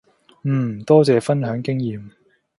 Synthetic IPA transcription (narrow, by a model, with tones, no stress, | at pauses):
m̩ː˨˩t̪ɔː˥t͡sɛː˨˧fɐ˥nɦœː˨˥ŋkɪ˥ŋjiː˨m